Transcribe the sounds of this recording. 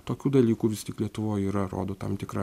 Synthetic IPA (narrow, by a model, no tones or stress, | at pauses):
t̪oːkʲuːd̪ɐlʲiːkuːʋʲɪst̪ʲɪːklʲiɛt̪ʊʋoːjiːɾɐɾo̰ːd̪oːt̪ɐ̰mt̪ʲɪkɾɐ